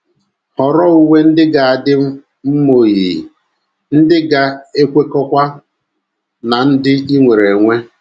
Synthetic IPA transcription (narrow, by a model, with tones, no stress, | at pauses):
hɔ˨ɾɔ˦u˦ŋe˦n̩˦dɪ˦ɡa˨a˨dɪ˦m̩˦ | m̩˦mo˨ɣi˨ | n̩˦dɪ˦ɡa˦e˦kʷe˦kɔ˦kʷa˦ | na˨n̩˦dɪ˦i˦ŋʷe˨ɾe˨ŋʷe˦